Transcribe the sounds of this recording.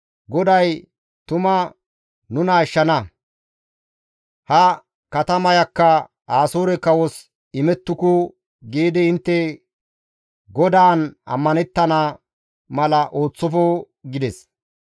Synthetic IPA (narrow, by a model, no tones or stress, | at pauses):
ɡɔd̪ɐj | t̪ʊmɐ | nʊnɐɪʃːɐnɐ | hɐ | kɐt̪ɐmɐjɐkːɐ | aːsoːɾɛkɐwɔs | ɪmɛt̪ːʊkʊ | ɡiːd̪ɪɪnt̪ːɛ | ɡɔd̪aːnɐ̰mːɐnɛt̪ːɐnaː | mɐlɐʔo̞ːt͡sːɔfo | ɡɪd̪ɛs